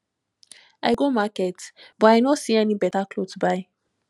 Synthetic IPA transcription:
aɪɡomakɛtbɔaɪnɔsiɛnibɛtaklotubaɪ

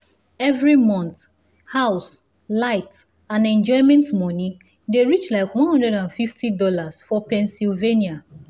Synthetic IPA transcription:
ɛvɹimɔ̃nθ | haʊs | laɪt | ãnɛ̃nd͡ʒɔɪmɛ̃ntmɔni | deɹit͡ʃlaɪkwɔ̃nhɔ̃ndɹɛɾãnfiftidɔlasfɔpɛ̃nsilvenia

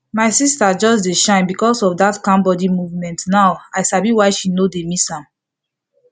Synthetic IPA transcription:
maɪsistad͡ʒɔsdeʃãɪ̃nbikɔsɔfdatkãmbɔdimuvmɛ̃ntnaʊaɪsabiwaɪʃinodemishãm

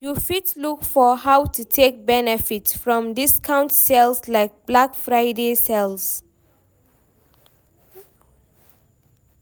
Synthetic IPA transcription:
jufitlukfɔhaʊwtʰutʰek̚bɛnɛfitsfɹɔ̃mdiskʰãʊ̃ntsɛlslaɪk̚b̥lakfɹaɪdesɛls

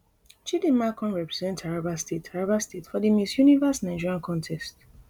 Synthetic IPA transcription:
t͡ʃidĩmakʰɔ̃nɹɛpɹɛzɛ̃ntʰaɹabastetʰaɹabastʰetfɔdimisjunivasnaɪd͡ʒiɹiãnkʰɔ̃ntʰɛst

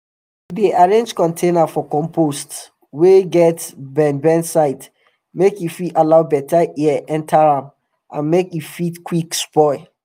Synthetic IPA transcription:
diʔaɹẽnd͡ʒkɔ̃ntʰẽnafɔkɔ̃mpʰost | weɡɛtbɛ̃nbɛ̃nsaɪt | mekifialaʊbɛtaʔiɛʔɛ̃ntʰaɹãm | ʔã̰nmekifitkwikspɔɪ

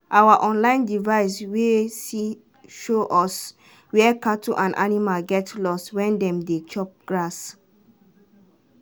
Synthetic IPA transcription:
ʔawaʔɔ̃nlãɪ̃ndivaɪs̬wesi | ʃoʔɔs | wɛkatuʔãnʔa̰nimalɡɛtlɔstwɛ̃ndɛ̃mdet͡ʃɔp̚ɡ̥ɹas

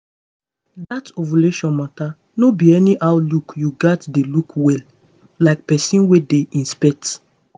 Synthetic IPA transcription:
datovoleʃɔ̃nmata | nobiɛniʔaʊlukjuɡatdelukwɛl | laɪk̚pɛsĩnwedeĩnspɛk̚t

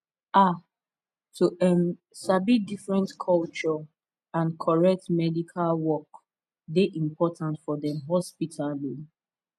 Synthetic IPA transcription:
a | tʰuʔɛn | sabidifɹɛ̃ntkʰɔlt͡ʃɔ | ãnkʰɔɹɛk̚tmɛdikʰalwɔk | deʔĩmpʰɔtʰãntfɔdɛ̃mɦɔspitʰali

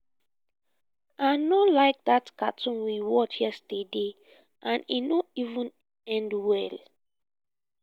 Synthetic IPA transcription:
anolaɪk̚datkatʰɔ̃nwiwɔt͡ʃhiɛəstede | ʔãnḭnoivə̃n | ɛ̃ndwɛl

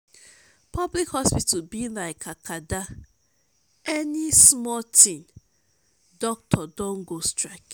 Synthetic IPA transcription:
pʰablikhɔspitʰabilaɪkʰakʰada | ɛnismɔtʰĩn | dɔk̚tʰɔdɔ̃ŋɡostɹak

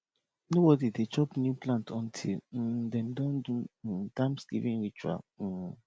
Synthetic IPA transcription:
nobɔdidet͡ʃɔpnjuplãntʰɔ̃ntʰḭl̩dɛ̃mdɔ̃ndud̥ãmsɡ̥ḭvĩnɹit͡ʃua̰l̩

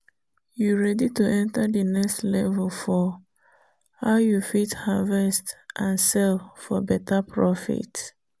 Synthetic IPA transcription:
juɹɛdituʔɛ̃ntadənɛkstlɛvɛlfɔ | haʊjufithavɛstʔãnsɛlfɔbɛtapʰɹɔfḭt

